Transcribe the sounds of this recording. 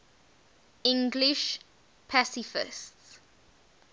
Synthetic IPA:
ɪ̃ŋɡliʃ | pʰasifɪ̰sts

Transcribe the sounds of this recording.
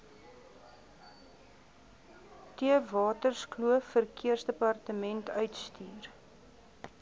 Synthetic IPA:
tiəvɑːtərskluəffərkiərsdəpɐrtəmɛntʰœɥtstyːr

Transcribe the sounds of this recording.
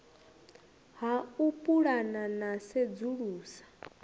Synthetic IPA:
ɦaupʼuɺananased͡zuɺuːsḁ

